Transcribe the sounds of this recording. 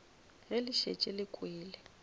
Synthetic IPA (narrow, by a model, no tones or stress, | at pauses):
ɦelɪʃḛt͡ʃʼɛlɪkʼweːlɛ